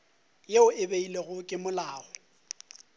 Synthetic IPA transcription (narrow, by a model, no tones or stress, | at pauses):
jeʊɪbeileɣʊkʼɪmʊlaːɔ